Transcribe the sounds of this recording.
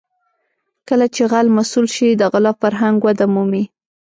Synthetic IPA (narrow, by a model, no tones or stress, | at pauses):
kəlat͡ʃeɣalmasulʃid̪əɣɪlɑfaɾɦaŋɡwad̪amumi